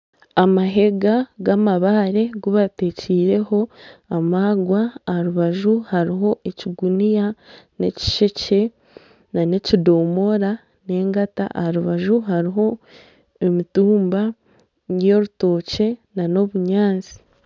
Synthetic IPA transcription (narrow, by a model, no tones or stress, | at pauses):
amaɦe̞ɡaɡamaβaɾe̞ɡuβate̞ːciːɾe̞ho̞amaːɡwaːɾuβaʒuhaɾiɦo̞ʔeciɡunijane̞̰ci̥ʃe̞ce̞ | nane̞cido̞ːmo̞ɾa | ne̞ːŋɡata̰ʔhɾuβaʒuɦaɾiɦo̞ | emituːmba | jo̞ɾuto̞ːce̞nano̞βuɲaːnzi̥